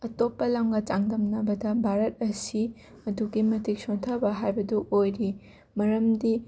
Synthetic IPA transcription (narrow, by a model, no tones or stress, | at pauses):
ɐtopːɐlamɡɐt͡ʃaŋdɐmnɐbɐdɐbʱaɾɐt̚ɐsi | ɐduɡimɐtʰik̚soŋtʰɐbɐɦajbɐduʔojɾi | mɐɾɐmdi